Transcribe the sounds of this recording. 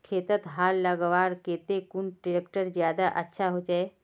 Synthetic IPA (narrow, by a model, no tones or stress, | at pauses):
kʰeːt̪ət̪ɦaːllaɡəʋaːɾkeːt̪ekunʈiɾekʈəɾd͡ʒjaːd̪aʔətːʃʰaɦod͡ʒae